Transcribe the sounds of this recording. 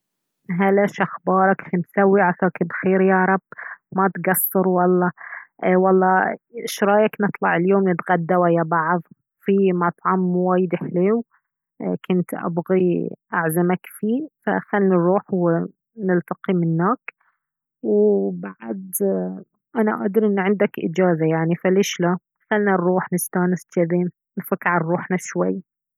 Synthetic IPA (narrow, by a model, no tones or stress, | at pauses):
ɦalaʃʔaxbɑːɾˤɑkfinsawːiʕakaːkɪbxeːɾjɑːɾˤɑbːmat̪ɡɑsˤːɑɾwɑlˤːɑʔwɑlˤːɑːʃɾˤɑːjaknɨt̪ˤlɑʕɪljoːmnɪt̪ɣad̪ːawajabaʕðˤ | fimɑt̪ˤʕɑmːwaːjɪd̪ɪħleːw | kʊnt̪ʔa̰bɣiʔaʕzamakfiːfa̰xalːɾˤuːħwɪ | nɪlt̪aqimɪnːaːk | wbaʕd̪ | ʔana̰ʔa̰ːd̪ɑɾʔɪnːʕɪnd̪akʔɪ̰d͡ʒaːzajaʕnifalɪʃla | xalnanɾˤuːħnɪst̪aːnɪst̪aðeːn | nfakːʕanɾˤuːħnaʃwajː